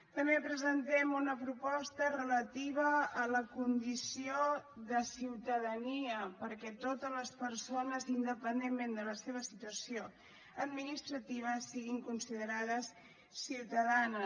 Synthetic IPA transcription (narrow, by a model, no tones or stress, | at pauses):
t̪əmbepɾəzənt̪ɛmunəpɾupɔst̪ərələt̪iβ̞əːləkund̪isioðəsiwt̪əðəniəpəɾkɛt̪ot̪əzləspəɾsonəzind̪əpənd̪emmend̪ələseβ̞əsit̪uəsio | əd̪minist̪ɾət̪iβ̞əsːiɣiŋkunsiðəɾaðəsː | iwt̪əðanə